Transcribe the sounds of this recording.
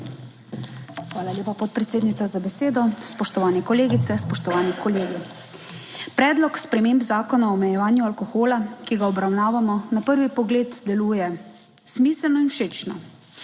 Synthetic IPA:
xʋaːlalʲjeːpapɔt̪̚pɾɛt̪seːd̪nit̪sazabɛseːd̪ɔspɔʃt̪ɔʋaːnɛkɔleːɡit̪sɛspɔʃt̪ɔʋaːnikɔleːɡi | pɾɛːd̪lɔkspɾɛmeːmbzaːkɔnaɔːmɛjɛʋaːnjualkɔxoːlakiɡaɔbɾawnaːʋamɔnapəɾʋipɔɡleːd̪d̪ɛluːjɛ | smiːslnɔinwʃeːt͡ʃnɔ̰

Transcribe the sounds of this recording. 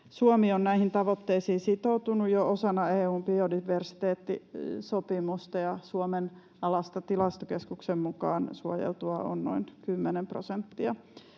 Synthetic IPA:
suomionnæihint̪ɑʋot̪ːeisiːsit̪out̪unujjoosɑnɑeːuːmpiodiʋersi̥t̪eːt̪ːisopimust̪ɑjɑsuomen | ɑlɑst̪ɑt̪ilɑst̪okeskuksemmukɑːnsuojḛlt̪uɑo̰nno̰inkymːenemprosent̪ːiɑ

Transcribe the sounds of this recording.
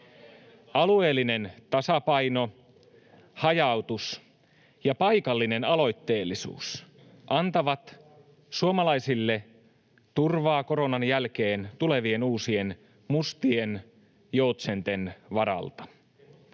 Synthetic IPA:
ɑlue̞ːlːine̞nt̪ɑsɑpɑjno̞ | hɑjɑwt̪us | jɑpɑjkɑlːine̞nɑlo̞jt̪ːe̞ːlːisṵːs | ʔɑnt̪ɑʋɑt̪ | suomɑlɑjsilːe̞ | t̪urʋɑːko̞ɾo̞nɑnjælk̟e̞ːnt̪ule̞ʋienuːsie̞n | must̪ien | jo̞ut̪sent̪e̞nʋɑɾɑ̰lt̪ɑ̥

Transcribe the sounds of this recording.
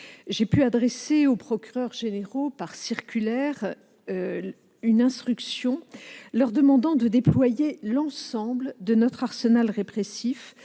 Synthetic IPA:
ʒepyad̪ʁeseopχɔkʲyʁœʁʒeneʁopaʁsiʁkʲylɛʁ | ynɛ̃st̪χyksjɔ̃lœʁd̪əmɑ̃d̪ɑ̃d̪əd̪eplwajelɑ̃sɑ̃bld̪ənɔt̪χaʁsənalʁepχesif

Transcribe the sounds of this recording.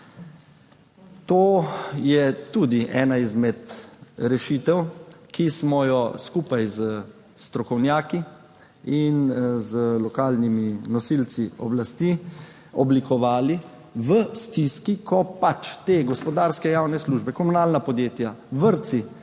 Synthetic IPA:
t̪oːjɛt̪uːd̪iʔɛːnaizmɛt̪ɾɛʃit̪ɛwkismɔjɔskuːpajzə | st̪ɾɔkɔwnjaːki | inzəlɔkaːlniminɔsilt̪siɔ̰blast̪i | ɔblikɔʋaːli | ʋəst̪iskikʰɔpːat͡ʃt̪eːɡɔspɔd̪aːɾskɛjaːwnɛsluːʒbɛkɔmunaːlnapɔd̪jeːt̪jaʋəɾt̪si

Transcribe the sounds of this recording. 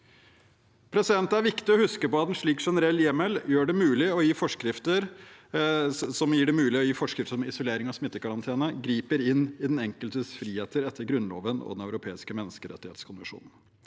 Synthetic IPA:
pʰɾɛsɪd̪ɛnt̪əæɾʋɪkt̪ɪɔhʉskəpɔɑt̪ɛnʂɭiːkʂɛnəɾɛlːjɛməljøːɖɛmʉːlɪɔjiːfɔʂkɾɪft̪əɾ | sɔmjiːɖɛmʉːlɪɔjiːfɔʂkɾɪft̪əʂɔmɪsʊleːɾɪŋɑsmɪt̪ːəkɑɾɑnt̪ʰeːnəɡɾiːpəɾɪnːɪd̪ɛnɛŋkəlt̪ʰəsfɾiːheːt̪ʰəɾɛt̪ːəɾɡɾʉnlo̰ːʋənʔɔ̰d̪ɛnœʉɾʊpʰeːɪskəmɛnːəskəɾɛ̰t̪ːɪhḛːt̪skʰʊnʋɪʂṵːnn̩

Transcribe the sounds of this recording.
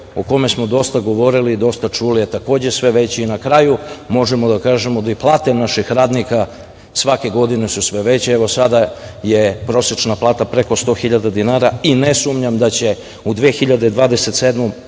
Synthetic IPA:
oko̞me̞smo̞d̪o̞st̪aɡo̞ʋo̞ɾiliːd̪o̞st̪at͡ʂuliet̪ako̞ːd͡ʑe̞sʋe̞ʋe̞t͡ɕeinakɾajumo̞ʒemod̪akaːʒe̞mod̪iplˠaːt̪e̞naʃixɾaːd̪nika | sʋake̞ɡo̞d̪inesusʋeʋe̞t͡ɕeeʋo̞sad̪ajepɾo̞set͡ʃnaplˠaːt̪apɾeko̞st̪o̞ːxiʎad̪ad̪inaːɾainesumɲamd̪at͡ɕe̞ | ud̪ʋeexiʎad̪ed̪ʋaːd̪ese̞t̪se̞d̪mu

